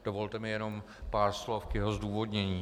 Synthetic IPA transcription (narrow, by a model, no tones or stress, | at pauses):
d̥ovo̞lt̪ɛmɪjɛno̞m | paːɾslofkjɛɦozduːvo̞dɲɛɲiː